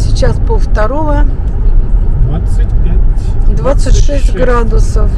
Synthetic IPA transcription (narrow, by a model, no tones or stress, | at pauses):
sʲɪt͡ɕaspəft̪ɐɾovə | pʲd̪vat̪sətʲʂɛsʲtʲɡɾad̪ʊsəf